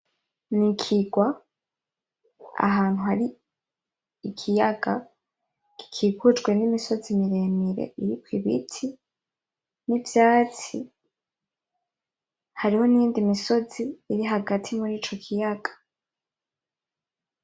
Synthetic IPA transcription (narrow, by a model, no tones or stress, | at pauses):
nikʰiɡwa | a̰ɦaːnhuhaɾi | ikʰijaɡa | ki̥kʰiɡud͡ʒɡwe̞nimiso̞zimiɾe̞miɾe̞̰ʔiɾikwiβḭtʰi | nivjaːt͡si | haɾiho̞niiːndimiso̞ziːɾiɦaɡatʰimuɾiːt͡ʃo̞kʰijaɡ̥ḁ